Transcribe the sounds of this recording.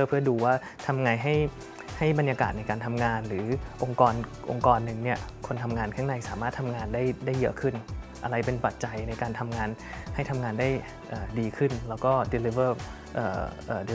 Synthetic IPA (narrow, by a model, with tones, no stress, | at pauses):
pʰɯ˥˩ɐduː˧waː˥˩ | t̪ʰa˧mŋa˧jɦa˥˩j | ha˥˩jba˧njaː˧ka̰ː˨˩t̪̚na˧jkaː˧nt̪ʰa˧mŋaː˧nɾɯː˩˦ʔo˧ŋkɔː˧n | ʔo̰˧ŋkɔː˧nːɯ˨˧ŋni˥˩ɐkʰo˧nt̪ʰa˧mŋaː˧nkʰaː˥˩ŋna˧jsaː˩˦maː˥˩t̪ʰa˧mŋaː˧ndaː˥˩jda˥˩jːɯ˦˥kʰɯ˥˩nʔa˧ɾa˧jpe˧npa˨˩t̪̚t͡ɕa˧jna˧jkaː˧nt̪ʰa˧mŋaː˧n | ha˥˩jt̪ʰa˧mŋaː˧ndaː˥˩j | ʔɤː˨˩diː˧kʰɯ˥˩nlɛː˦˥wkɔː˥˩di˧li˦˥vɤː˥˩ | ʔɤː˨˩ʔɤː˨˩di˧